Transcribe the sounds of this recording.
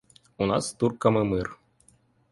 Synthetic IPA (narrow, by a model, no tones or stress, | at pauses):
unɑ̰st̪urkamɨmɨr